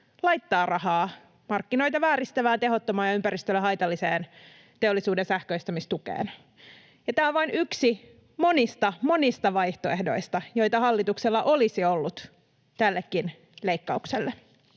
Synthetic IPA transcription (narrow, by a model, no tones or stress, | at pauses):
lɑjt̪ːɑːrɑhɑː | mɑrkːino̞jt̪ɑʋæːɾist̪æʋæːt̪eɦot̪ːomɑːjɑympæɾist̪ølːæɦɑjt̪ɑlːiseːn | t̪eolːisuːdensæhkøist̪ɑmist̪ukḛːn | jɑt̪æːoʋʋɑinyksi | mo̞nist̪ɑmo̞nist̪ɑʋɑjht̪oehdo̞ist̪ɑjo̞jt̪ɑhɑlːit̪ukselːɑʔo̞lisiolːut̪ | t̪ælːekːin | leikːɑukselːe